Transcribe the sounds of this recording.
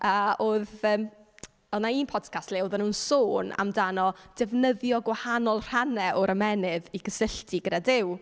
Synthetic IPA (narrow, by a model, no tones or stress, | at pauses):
əːʔoːðəːm | ɔnaiːnpʰɔd̥kʰastleːuðanuːnsoːna̰mdanɔd̥ɛvnəðjɔɡwahanɔlˠr̥anɛʔɔɾʔəmɛnɪðikʰəsɪɬtʰiɡədadɪw